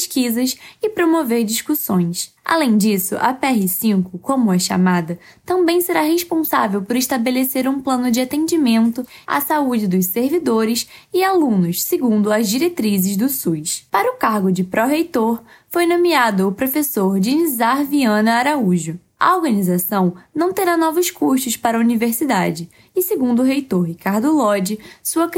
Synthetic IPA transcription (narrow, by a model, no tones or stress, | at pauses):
ʃkizɐsɪpɾomoveɾd͡ʒiʃkusõj̃sa̰lẽj̃d͡ʒisʊʔɐ̰pɛɦɪsĩŋkʊkõmʊɐʃa̰mad̪ɐ | t̪ɐ̃mbẽj̃seɾaɦeʃpõsa̰vewpʊɾɪʃt̪abeleseɾũplɐ̃nʊd͡ʒɪat̪ẽd͡ʒimẽnt̪ʊa̰saud͡ʒɪd̪ʊsseɾvid̪oɾɪsɪalũnʊsseɡũnd̪ʊɐzd͡ʒiɾet̪ɾizɪzd̪ʊsujspaɾɐʊkaɾɡʊd͡ʒɪpɾɔɦejt̪oɾfojnõmiad̪ʊːpɾofesoɾd͡ʒinizaɾviɐ̃nʊaɾauʒʊ | ʔɐ̰oɾɡɐnizasɐ̃w̃nɐ̃w̃t̪eɾanɔvʊskuɾsʊʃpaɾɐuniveɾsid̪a̰d͡ʒɪ | ɪseɡũnd̪ʊʊɦejt̪oɾɦikaɾd̪ʊlɔd͡ʒɪsuɐ